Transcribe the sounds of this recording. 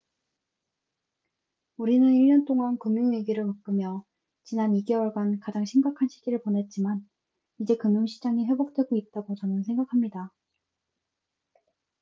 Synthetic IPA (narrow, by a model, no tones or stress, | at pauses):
uɾinɯniɭɲʌnt͈oŋankuŋjuŋiɡiɾɯɭmɯk͈ɯmjʌ | t͡ɕinaniɡe̞wʌɭɡankad͡ʑaŋɕʰimɡakʰanɕʰi̥ɡiɾɯɭpone̞t̚t͡ɕ͈iman | id͡ʑe̞kɯmjuŋɕʰid͡ʑaŋiɸwe̞bok̚t͈we̞ɡoit̚t͈aɡot͡ɕʌnɯnsʰeŋɡakʰamɲida